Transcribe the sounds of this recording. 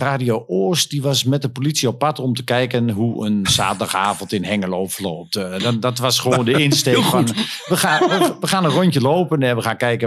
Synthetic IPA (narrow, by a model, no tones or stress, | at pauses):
raːdioʔoːst̚diʋɔsmɛt̚dəpolisiɔpːatɔmtəkɛjkənɦuə̰nsa̰ːtədaxaːvəntɪnhɛŋəloːfərloːp̚tddɔtʋɔsxəʋooːndəɪnstekfɔnʋəxaəʋəxaːnənrɔncəloːpənɛnʋəxaːnkɛjkə